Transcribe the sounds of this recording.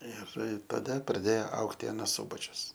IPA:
ˈɪr tɐˈdɐ prɐˈdʲeːjoː ˈɐʊktʲɪ ɐˈnɐs ˈsʊbɐt͡ʃʲʊs

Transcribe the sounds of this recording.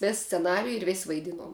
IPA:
ˈʋʲeːs sʲt͡sʲɛˈnɑːrʲɪjʊ ɪr ʋʲeːsʲ ʋɐɪˈdʲɪnuɔm

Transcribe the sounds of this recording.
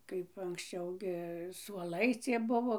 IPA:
kɐɪp ɐŋksʲˈt͡ʃʲɛʊ ɡʲɪ suɔˈlˠɐɪ ˈt͡sʲiɛ ˈbʊʋoː

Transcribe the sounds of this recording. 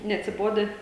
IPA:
nʲɛɐtʲsʲɪˈboːdʲæː

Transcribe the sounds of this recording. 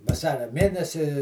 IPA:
ʋɐˈsɑːrʲɛ ˈmʲeːnʲɛsʲɪ

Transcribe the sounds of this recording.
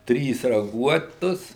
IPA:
ˈtʲrʲiːs rɐˈɡuɔtʊs

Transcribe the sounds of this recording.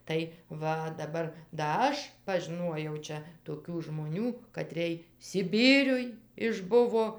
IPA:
tɐɪ ˈʋɐ dɐˈbɐr dɐ ˈɐʃ pɐʒʲɪˈnuɔjɛʊ ˈt͡ʃʲɛ toːˈkʲuː ʒmoːˈnʲuː kɐtʲrʲeːj sʲɪˈbʲiːrʲʊj ɪʒˈbʊʋoː

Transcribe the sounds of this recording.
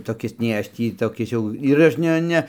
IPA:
toːˈkʲɪs nʲɛɪ ˈɐʃ ˈtʲiː toːˈkʲɪs jɛʊ ɪr ˈɐʃ ˈnʲɛ ˈnʲɛ

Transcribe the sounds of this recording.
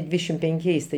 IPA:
ˈdʲʋʲiːdʲɛʃʲɪm pʲɛŋʲˈkʲɛɪs tɐɪ

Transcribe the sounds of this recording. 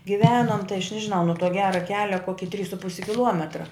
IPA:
ɡʲɪˈʋʲæːnoːm tɐɪ ɐʃ ˈnʲæːʒʲɪˌnɐʊ nʊ tuɔ ˈɡʲæːrɐ ˈkʲæːlʲɛ ˈkoːkʲɪ tʲrʲiːs sʊ ˈpʊsʲɪ kʲɪˈlˠuɔmʲɛtrɐ

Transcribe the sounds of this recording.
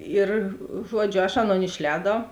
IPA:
ˈɪr ˈʒuɔd͡ʒʲʊ ɐʃ ˈɑːˌnoːn ɪʃʲˈlʲɛːdɐʊ

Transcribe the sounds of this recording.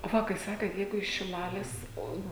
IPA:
oː ˈʋɐ kɐɪ ˈsɑːkʲeːt ˈjɛɪɡʊ ɪʃ ʃʲɪˈlˠɑːlʲeːs ˈoː

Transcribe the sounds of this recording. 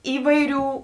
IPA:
ˈiːʋɐɪˌrʲuː

